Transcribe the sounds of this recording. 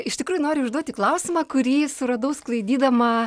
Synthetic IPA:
ɪʃt̪ʲɪkɾuːjʊnoːɾʲɪʊʒd̪uɔt̪ʲiːklˠɐʊsʲɪmɑːkʊɾʲiːsʊɾɐd̪ɐʊsklˠɐɪd̪ʲiːd̪ɐmɐ

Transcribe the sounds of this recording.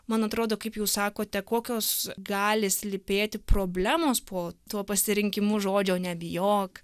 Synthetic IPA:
mɐnɐt̪ɾoːd̪oːkɐɪpjɛʊsɑːkoːt̪ʲɛkoːkʲoːsɡɑːlʲɪsʲlʲɪpʲeːt̪ʲɪpɾoːbʲlʲæːmoːspʰoːt̪uɔpɐsʲɪɾʲɪŋʲkʲɪmʊʒoːd͡ʒʲoːnʲɛbʲɪjoːk

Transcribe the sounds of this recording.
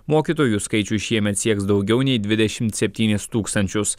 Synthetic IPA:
moːkʲiːt̪oːjuskɐɪt͡ʃʲuʃʲiɛmʲɛt̪sʲiɛksd̪ɒʊɡʲɛʊnʲɛɪd̪ʲʋʲɪd̪ʲɛʃʲɪmt̪sʲɛpʲt̪ʲiːnʲɪst̪uːkst̪ɐnʲt͡ʃʲʊs

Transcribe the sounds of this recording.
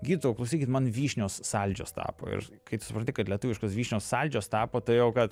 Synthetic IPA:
ɡʲiːd̪ʲɪt̪ooklˠɐʊsʲiːkʲɪt̪mɐnʋʲiːʃʲnʲoːsːɑlʲd͡ʒʲo̰ːst̪ɑ̰ːpo̰ːɪ̰ɾkɐɪptsʊpɾɐnʲt̪ʲɪkɐt̪lʲɛt̪ʊːʋʲɪʃkoːsʋʲiːʃʲnʲoːsːɑlʲd͡ʒʲoːst̪ɑːpoːt̪ɐɪjɛʊkɐt̪

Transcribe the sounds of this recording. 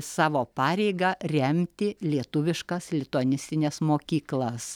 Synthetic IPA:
sɑːʋoːpɑːɾʲɛɪɡɐrʲɛmʲt̪ʲɪlʲiɛt̪ʊʋʲɪʃkɐslʲɪt̪oːnʲɪsʲt̪ʲɪnʲɛsmoːkʲiːklˠɐs

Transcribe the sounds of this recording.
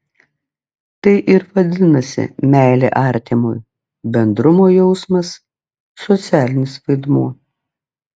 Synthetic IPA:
t̪ɐɪʔɪɾʋɐd̪ʲɪnɐsʲɪ̰mʲæˑɪlʲḛːʔɑˑɾʲt̪ʲɪmʊj | bʲɛnd̪ɾʊmoːjɛʊsmɐsː | ɔt̪sʲæːlʲɪnʲɪsʋɐɪd̪muɔ

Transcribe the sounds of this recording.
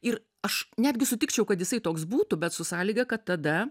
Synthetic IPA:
ɪɾ | ɐʃnʲæːd̪ʲɡʲɪsʊt̪ʲɪkt͡ʃʲɛʊkɐt̪jɪsɐɪt̪oːksbuːt̪ʊbʲɛt̪sʊsɑːlʲiːɡɐkɐt̪ːɐd̪ɐ

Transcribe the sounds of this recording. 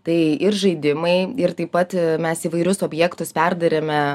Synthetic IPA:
t̪ɐɪɪrʒɐɪd̪ʲɪmɐɪɪrt̪ɐɪpɐt̪mʲɛsiːʋɐɪɾʲʊsoːbʲjɛkt̪ʊspʲɛrd̪ɐɾʲemʲɛ

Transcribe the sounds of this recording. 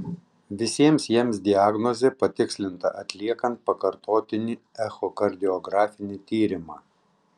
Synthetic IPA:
ʋʲɪsʲiɛmsjiɛmsd̪ʲɪaːɡnɔzʲeːpɐt̪ʲɪksʲlʲɪnt̪ɐ̰ʔɐt̪ʲlʲiɛkɐnt̪̚pɐkɐɾt̪oːt̪ʲɪnʲiɛxɔkɐɾʲd̪ʲɪɔɡɾɑːfʲɪnʲit̪ʲiːɾʲɪmɑː

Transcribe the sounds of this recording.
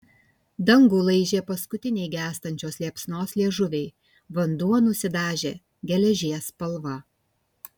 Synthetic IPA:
d̪ɐŋɡuːlˠɐɪʒʲeːpɐskʊt̪ʲɪnʲɛɪɡʲæːst̪ɐnʲt͡ʃʲoːslʲiɛpsnoːslʲiɛʒʊʋʲɛɪ | ʋɐnd̪uɔnʊsʲɪd̪ɑːʒʲeː | ɡʲɛlʲɛʒʲiɛspɐlˠʋɐ

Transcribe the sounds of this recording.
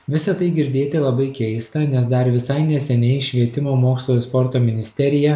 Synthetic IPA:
ʋʲɪsɐt̪ɐɪɡʲɪɾʲd̪ʲeːt̪ʲelˠɐbɐɪkʲɛɪst̪ɐnʲɛsd̪ɐɾʋʲɪsɐɪnʲɛsʲɛnʲɛɪʃʲʋʲiɛt̪ʲɪmoːmoːkslˠoːjospɔɾt̪oːmʲɪnʲɪsʲt̪ʲɛɾʲɪjɛ

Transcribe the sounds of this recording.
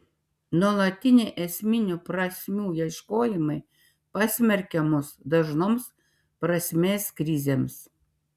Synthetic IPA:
nuɔlˠɐt̪ʲɪnʲeːʔɛsʲmʲɪnʲʊpɾɐsʲmʲuːjɛʃkoːjɪmɐɪ | pɑsʲmʲɛɾʲkʲɛmʊsd̪ɐʒnoːms | pɾɐsʲmʲeːskɾʲɪzʲeːms

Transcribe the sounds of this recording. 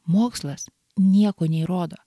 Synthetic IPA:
moːkslˠɐs | nʲiɛkoːnʲɛiɾoːd̪oː

